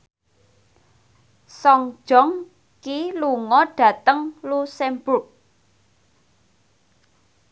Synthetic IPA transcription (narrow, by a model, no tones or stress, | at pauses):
sɔŋd̥ʒ̥ɔŋ | kiluŋɔɖ̥ä̤t̪əŋlusembʊʔ̚